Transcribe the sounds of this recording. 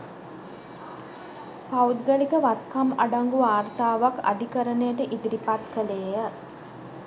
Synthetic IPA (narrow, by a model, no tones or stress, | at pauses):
paut̪̚ɡəlikəʋat̪kamaɖaŋɡuaːrt̪aːʋaka̰d̪ikəɾənejəʈəʔid̪iɾipat̪kəleːjə